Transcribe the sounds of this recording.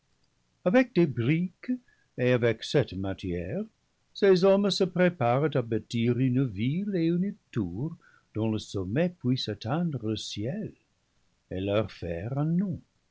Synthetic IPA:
avɛk̚d̥ebʁik | eavɛksɛtmatʰjɛʁ | sezɔmsəpʁepaʁtabatiʁynəvileyntuʁ | d̥ɔ̃ləsomepwisat̪ɛ̃d̪ʁələsjɛl | elœʁfɛʁɛ̃nɔ̃

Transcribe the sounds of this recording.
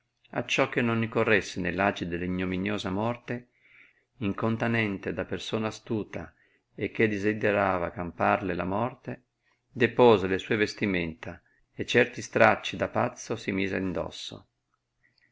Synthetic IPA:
a̰t͡ʃːɔk̟ːenːonːikorːesːenelːad͡ʒid̪elːiɲːominjoːzamɔrt̪e | iŋkont̪anɛnt̪ed̪apersoːnaːst̪uːt̪a̰ | ek̟ːed̪izid̪eɾaːvakamparlelamɔrt̪e | d̪epoːzelesuːevest̪iment̪a | et͡ʃːɛrt̪ist̪ɾat͡ʃːid̪apat̪sːosimiːzea̰ind̪ɔ̰sːo̰

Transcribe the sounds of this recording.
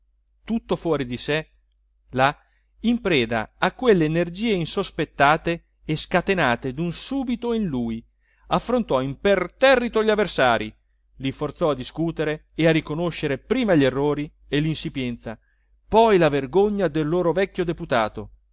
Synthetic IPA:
t̪ut̪ːofwɔːɾid̪isɛ | la | impɾɛːd̪a̰akːwelːeːnerd͡ʒiːeinsospet̪ːaːt̪eː | skat̪enaːt̪ed̪unsuːbit̪oinluːj | afːɾont̪ɔimpert̪ɛrːit̪oʎavːersaːɾi | lifort̪sɔad̪ːiskuːt̪eɾeːarikonoʃːeɾepɾiːmaʎerːoːɾi | elinsipjɛnt̪sa | pɔjlaverɡoɲːad̪elːoːɾovɛkːjod̪eput̪aːt̪o

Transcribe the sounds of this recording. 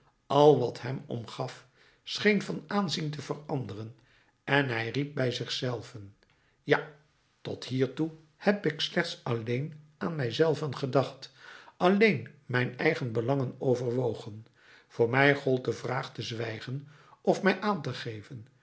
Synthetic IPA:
ʔɑlˠʋɑtɦɛmɔ̰mχɑf | sχejnvɑnaːnzintəvərɑndərən | ʔɛnɦɛjrip̚bɛjzɪχsɛlˠvən | ja | tɔtɦiːɹtu | hɛpɪkslɛχtsɑlejnʔaːnmɛjzɛlˠvənχədɑχtʔɑlejnmɛjnɛ̰jχənbəlɑŋənowvərʋowχən | v̥ʊːɹmɛjχɔlˠt̚dəvraːχtəzʋɛjχən | ʔɔfmɛjʔaːntəχejvən

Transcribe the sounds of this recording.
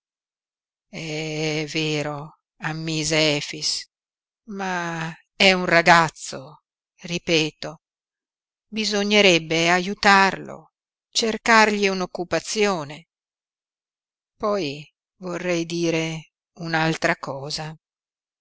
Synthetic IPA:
ɛɛveːɾo | amːiːzeɛːfis | ma | ɛunraɡat̪sːo | ripɛːt̪o | bizoɲːeɾɛbːeajut̪arlo̰ | t͡ʃerkarʎiunokːupat̪sːjoːne | pɔj | vorːɛjd̪iːɾe | unalt̪ɾakɔːza

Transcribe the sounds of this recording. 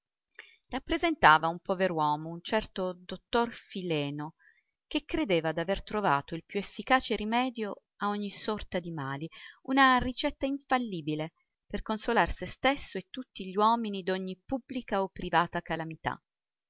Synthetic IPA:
rapːɾezent̪aːvaumpɔveɾwɔːmount͡ʃɛrt̪od̪ot̪ːorfilɛːno | k̟ekːɾed̪eːvad̪avert̪ɾova̰ːt̪oilpjuefːikaːt͡ʃeɾimɛːd̪jo | aoɲːisɔrt̪ad̪imaːliunarit͡ʃɛt̪ːaiɱfalːiːbile | perkonsolarsest̪esːoet̪ːut̪ːiʎiwɔːminid̪oɲːipubːlikaopːɾivaːt̪akalamit̪a̰

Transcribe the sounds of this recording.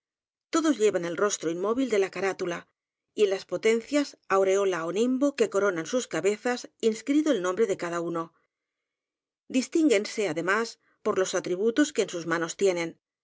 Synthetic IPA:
t̪o̞ðo̞zʎe̞βane̞lro̞st̪ɾoinmo̞β̞ild̪e̞lakaɾat̪ula | ienlaspo̞t̪e̞nθjasawɾe̞o̞laonimbo̞ke̞ko̞ɾo̞nansuskaβe̞θasinskɾit̪oelnõ̞mbɾe̞ðe̞kaðauno̞ | d̪ist̪iŋɡe̞nse̞aðe̞mas | po̞ɾlo̞sat̪ɾiβut̪o̞ske̞ːnsuzmãno̞st̪je̞nẽ̞n

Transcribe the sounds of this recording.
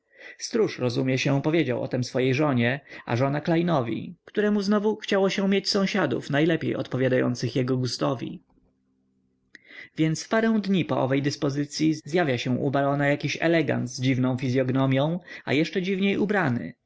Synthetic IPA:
st̪ɾuʂɾɔzumʲjɛɕɛ̃pɔvʲjed͡ʑawʔɔ̰t̪ɛmsfɔjejʐɔɲɛa̰ʐɔnaklajnɔvʲḭkt̪uɾɛmuznɔvuxt͡ɕawɔɕɛ̃mʲjet͡ɕsɔ̃w̃ɕad̪ṵfnajlɛpʲḛjɔ̰t̪pɔvʲjad̪ajɔ̰nt̪sɘxjɛɡɔɡust̪ɔvʲḭ | vʲjɛnt̪spaɾɛ̃w̃d̪ɲipɔʔɔ̰vɛjd̪ɘspɔzɘt̪sʲjizjavʲjaɕɛ̃ʔṵbalɔnajakʲiɕɛ̰lɛɡa̰nt̪zd͡ʑivnɔ̃w̃fʲizʲjɔɡnɔmʲjɔ̃w̃a̰jɛʂt͡ʂɛd͡ʑivɲejʔubɾanɘ̰

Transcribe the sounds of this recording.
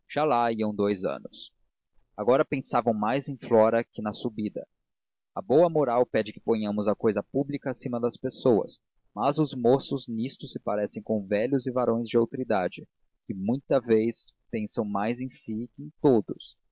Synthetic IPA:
ʒ̥alaiɐ̃w̃d̪ojzɐ̰̃nʊs | aɡɔɾɐpẽsavɐ̃w̃majzẽj̃flɔɾɐkɪnɐsubid̪ɐ̰ | ɐbowɐmoɾawpɛd͡ʒɪkɪ̥põɲɐ̃mʊzɐkojzɐpublikɐːsĩmɐd̪ɐspesowɐ̰s | mɐzʊzmosʊznist̪ʊsːɪpaɾɛsẽj̃kõw̃vɛʎʊzɪvaɾõj̃zd͡ʒɪowt̪oɾid̪ad͡ʒɪ | kɪmũj̃t̪ɐvejs | pẽsɐ̃w̃majzẽsɪɪẽj̃t̪od̪ʊs

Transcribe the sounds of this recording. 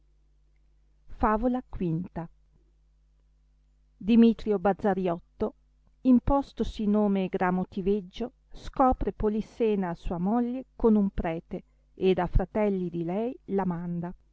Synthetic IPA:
faːvolakwint̪a | d̪imit̪ɾjobad̪zːaɾjɔt̪ːo | impɔst̪osinoːmeɡɾamot̪ived͡ʒːo | skɔːpɾepoliseːnaːsuːamoʎːekonumpɾɛːt̪e | ed̪afɾat̪ɛlːid̪ilɛjlamand̪a

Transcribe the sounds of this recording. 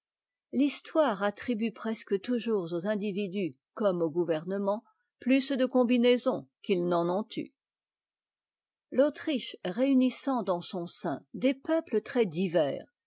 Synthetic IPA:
list̪waːʁat̪χibypχɛskət̪uʒuʁzozɛ̃d̪ivid̪y | kɔmoɡuvɛʁnəmɑ̃ | plysd̪əkɔ̃binezɔ̃kilnɑ̃nɔ̃t̪y̰ | lot̪χiʃʁeynisɑ̃d̪ɑ̃sɔ̃sɛ̃d̪epœplət̪χɛd̪ivɛ̰ːʁ

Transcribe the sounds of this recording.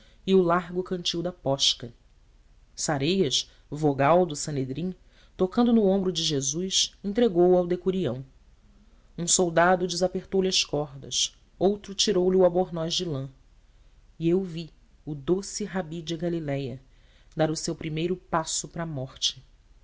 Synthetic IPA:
iʊlaɾɡʊkɐ̃nt͡ʃiwd̪ɐpɔʃkɐ | saɾejɐʃ | voɡawd̪ʊsɐ̃ned̪ɾĩ | t̪okɐ̃nd̪ʊnʊõmbɾʊd͡ʒɪʒezujsẽt̪ɾeɡowawd̪ekuɾiɐ̰̃w̃ | ũsowd̪ad̪ʊd͡ʒɪzapeχt̪owlɪɐʃkɔɦd̪ɐ̰s | owt̪ɾʊt͡ʃiɾowliʊaboɾnɔjzd͡ʒɪlɐ̃ | iewvi | ʊd̪osiɦabid͡ʒɪɡalilɛjɐ | d̪aɾʊsewpɾimejɾʊpasʊpɾɐːmɔχt͡ʃɪ̥

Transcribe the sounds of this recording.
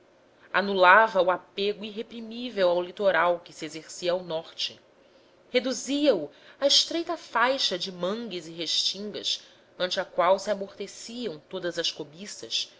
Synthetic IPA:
a̰nulavɐuapeɡʊiɦepɾimivewawlit̪oɾawkɪsiezeɾsiɐːwnɔɾt͡ʃɪ | hed̪uziɐuaiʃt̪ɾejt̪ɐfajʃɐd͡ʒɪmɐ̃ŋɡɪzɪɦeʃt͡ʃĩŋɡɐ̰s | ɐ̃nt͡ʃɪɐkwawsiamoχt̪esiɐ̃w̃t̪od̪ɐzɐskobisɐ̰s

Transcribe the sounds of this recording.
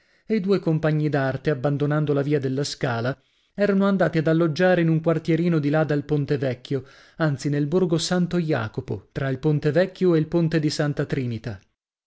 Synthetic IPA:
eid̪uːekompaɲːid̪art̪eabːand̪onand̪olaviːad̪elːaskaːla | ɛːɾanoand̪aːt̪iad̪alːod͡ʒːaːɾeinuŋkwart̪jeɾiːnod̪ilad̪alpont̪evɛkʰʲːjo | ant̪sinelborɡosant̪oja̰ːkopo̰t̪ɾailpont̪evɛkʲːjoeilpont̪ed̪isant̪at̪ɾiːnit̪a

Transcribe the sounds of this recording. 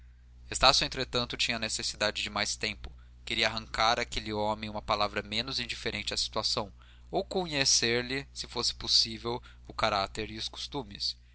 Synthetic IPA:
est̪asjʊẽnt̪ɾet̪ɐ̃nt̪ʊt͡ʃĩɲɐnesesid̪ad͡ʒɪd͡ʒɪmajst̪ẽmpʊ̥ | keɾiɐaɦɐ̃ŋkaɾakeliɔmẽj̃ũmɐpalavɾɐmẽnʊzĩd͡ʒifeɾʔẽnt͡ʃɪɐsi̥t̪uasɐ̃w̃ | owkõɲeseɾlɪsɪfosɪ̥posivew | ʊkaɾat̪eɾiʊsko̥st̪ũmɪs

